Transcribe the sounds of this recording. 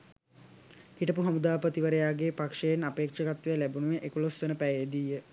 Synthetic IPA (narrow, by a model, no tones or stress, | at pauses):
kiʈəpuɦamud̪aːpət̪iʋəɾəjaːɡepakʂejenapeːkʂəkat̪ʋejəlæbunuʋeʔekulost̪ənəpæjejd̪iːjə